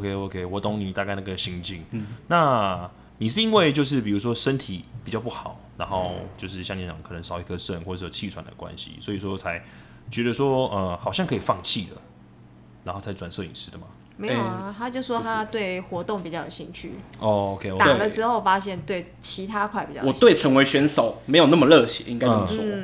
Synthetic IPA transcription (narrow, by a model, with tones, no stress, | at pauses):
o˧kʰe˧˥o˧kʰe˧ɪwɔ˨˥t̪ʊ˧˥ŋni˨˩t̪a˥˧ka˥˩ɪna˥˩ɡə˩ɕi˧˥ŋt͡ɕi˥˧ŋna˥˨ | ni˨˩ʂɻ̩˥˩i˦˥nwe˥˧ɪt͡ɕjo˥˧ʊʂ̬ɻ̩˥˩p̬i˨˩u˧˥ʂ̬wɔ˥ʂə˦˥nt̪ʰi˨˩˦pi˨˩t͡ɕjɑ˥˧p̬u˥˩xɑ˨˩˦ʊna˧˥nxo˥˧ʊt͡ɕjo˥˧ʊʂɻ̩˥˩ɕjɑ˥˩ŋni˧˥t͡ɕɑ̰˨˩ŋkʰɤ˨˩nə˧˦ŋʂɑ˨˩ʊi˧˩kʰə˧ʂə˥˨nwɔ˥˩ə˧˩˨t͡ɕʰi˥˩t͡sʰwa̰˨˦nd̪ə̰˩kwa̰˦nɕḭ˨˦swɔ˧˥i˨˩s̬wɔ˥t͡sʰa˧˥ɪ | t͡ɕɥɛ˧˥d̪ə˧ʂwɔ˦ə˨xɑ˨˩ʊɕjɑ˥˩ŋkʰɤ˧˥i˨˩fɑ˥˧ŋt͡ɕʰi˥˨˩d̪ə̰˩ | na˧˥nxo˥˩t͡sʰa˧˥ɪt͡swa˨˩nsɤ˥˧˨ḭ˨˩ʂɻ̩˥d̪ə˨ma˩ | me˥˦jt̪ʰa˥t͡ɕjʂwɔ˥t̪ʰa˥t̪we˥˩ɪxwɔ˧˥t̪o˥˨ŋpi˨˩t͡ɕjɑ˥˩ʊjo˨˩ɕi˥˧˩ŋt͡ɕʰy̰˥˩ɔ˥˩o˧kʰe˧ɪo˧t̪a˨˩˥d̪ə˨˦ʂɻ̩˧˥xo˥˩ʊfa˥ɕjɛ˥˧nt̪we˥˩ɪ | t͡ɕʰi˧˥t̪ʰa˥kʰwa˥˩ɪpi˨˩t͡ɕɑ˥˩wɔ˨˩t̪we˥˩ɪt͡sʰə˧˥ŋwe˧˥ɪɕɥɛ˧˥nso˨˩˦ʊme˧˥ɪjo˨˩n˥˩mə˨˩lɤ˥˨ɕjɛ̰˧˦ʔḭ˥ŋka˥ɪ˥˩